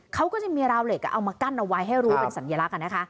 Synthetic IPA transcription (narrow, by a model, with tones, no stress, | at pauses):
kʰa˦˥wkɔː˥˩t͡ɕa˨˩miː˧ɾaː˧wleː˨˩ka̰˧˩ʔa˧wmaː˧ka˥˩nʔa˧wa˦˥jɦa˥˩jɾuː˦˥pe˧nsa˩˦njaː˧la˦˥ʔka˧nːa˦˥kʰa˦˥ʔ